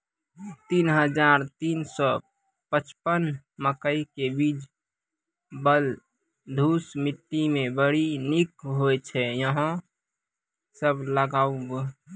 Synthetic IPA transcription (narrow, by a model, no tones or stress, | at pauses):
t̪inɦəd͡ʒaɾt̪insɔ | pət͡ʃpən | məkəikebid͡ʒ | bəl | d̪ʱusmiʈːimẽbəɽinikɦojt͡ʃʰɛjəɦə̃ | səbləɡaub